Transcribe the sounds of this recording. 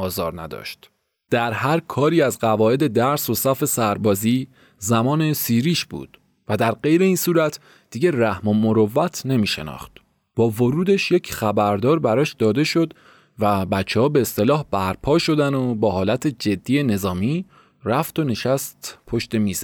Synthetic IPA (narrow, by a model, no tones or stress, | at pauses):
ɒːzɒːɾnæ̰d̪ɒ̰ʃt̪ | d̪̥æɾɦæɾkʰɒːɾiːæzɢævɒːe̞d̪e̞d̪æɾso̞sæfe̞sæɾbɒːziː | zæmɒːne̞siːɾiːʃb̥ṵːd̪̥ | væd̪æɾɢe̞jɾe̞iːnsuːɾæt̪ʰ | d̪̥iːɟe̞ræhmo̞mo̞ɾovːæt̪ʰne̞miːʃe̞̰nɒ̰ːχt̪ | b̥ɒːvoɾuːd̪e̞ʃje̞cʰχæbæɾd̪ɒːɾbæɾɒːʃd̪ɒːd̪e̞ʃo̞d̪ | væbæt͡ʃʰːɛhɒːbe̞ːst̪e̞lɒːhb̥æɾpʰɒːʃo̞d̪ænobɒːhɒːlæt̪ʰe̞d͡ʒe̞d̪ːiːjene̞zɒːmiː | ræft̪o̞ne̞ʃæst̪pʰo̞ʃt̪e̞miːzæ